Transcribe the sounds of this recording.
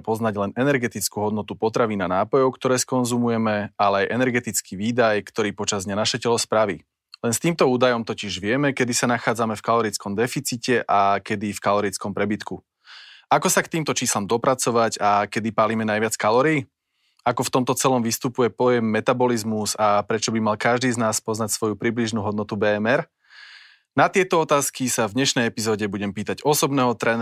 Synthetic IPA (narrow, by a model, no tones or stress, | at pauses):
pɔznaɟlɛnɛnɛɾɡɛt̪it͡skuːɦɔd̪nɔt̪upɔt̪ɾaʋiːnanaːpɔjɔʊkt̪ɔɾɛːskɔnzumujɛmɛalɛajʔɛnɛɾɡɛt̪it͡skiːʋiːd̪ajkt̪ɔɾiːpɔt͡ʃazd̪ɲanaʃɛcɛlɔspɾaʋḭ | lɛnst̪iːmt̪ɔuːd̪ajɔmt̪ɔciʒʋɪɛmɛkɛd̪isanaxaːd͡zamɛfkalɔɾit͡skɔmd̪ɛfit͡siːcɛʔakɛd̪ifkalɔɾit͡skɔmpɾɛbit̪ku | akɔsakt̪iːmt̪ɔt͡ʃiːslamd̪ɔpɾat͡sɔʋaɟakɛd̪ipaːliːmɛnajʋɪat͡skalɔɾii | akɔft̪ɔmt̪ɔt͡sɛlɔmʋist̪upujɛpɔjɛmːɛt̪abɔlizmuzapɾɛt͡ʃɔbimalkaʒd̪iːznaːspɔznacsʋɔjupɾibliʒnuːɦɔd̪nɔt̪ubɛːɛmɛɾ | nat̪ɪɛt̪ɔɔt̪aːskisavd̪ɲɛʃnɛjɛpizɔːɟɛbuɟɛmpiːt̪aɟɔsɔbnɛːɦɔt̪ɾɛn